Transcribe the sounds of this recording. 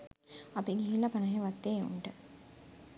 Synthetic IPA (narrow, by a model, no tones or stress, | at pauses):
apiɡiɦilːɐpanəɦeʋat̪ːeːṵɳʈə